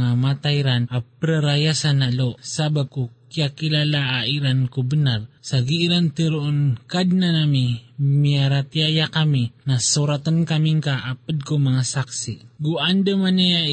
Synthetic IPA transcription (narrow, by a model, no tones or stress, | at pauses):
ŋamat̪ajɾanapəɾəɾajasanalosabab̚kukiakilalaːiɾankubənarsaɡiːɾant̪əɾuʔonkad̪̚nanamimiaɾat̪iajakaminasuɾat̪ənkamiŋkaʔapəd̪̚kumaŋasaksiɡuandəmanaja